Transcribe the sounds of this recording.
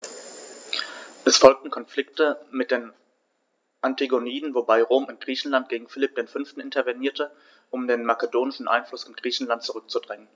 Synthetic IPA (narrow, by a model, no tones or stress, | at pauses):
ʔɛsfɔlk̚tn̩kʰɔnflɪktəmɪt̚d̥eːn | ʔantiɡoniːdn̩vobaɪʁoːmɪntɡ̥ʁiːçn̩lant̚ɡ̥eːɡŋ̩fɪlɪp̚d̥eːnfʏnftn̩ʔɪntɐvɛniːɐtə | ʔʊmdeːnmakədoːnɪʃn̩ʔa̰ɪnflʊsɪnɡ̥ʁiːçn̩lantt͡suʁʏk̚t͡sudʁɛŋən